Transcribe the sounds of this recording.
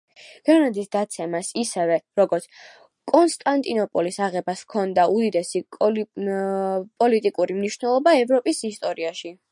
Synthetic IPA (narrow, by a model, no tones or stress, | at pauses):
ɡ̥anad̪isd̪at̪sʰɛmasisɛvɛɾɔɡɔɾt̪sʰ | kʼɔnst̪ʼant̪ʼinɔpʼɔlisaʁɛbaskʰɔnd̪aud̪id̪ɛsi | pʼɔlit̪ʼikʼuɾimniʃnɛlˠɔbaɛvɾɔpʼisist̪ʼɔɾiaʃi